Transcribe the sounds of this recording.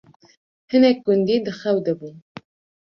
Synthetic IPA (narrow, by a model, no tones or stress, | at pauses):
hɨnɛk̚ɡʊnd̪id̪əxawd̪əbu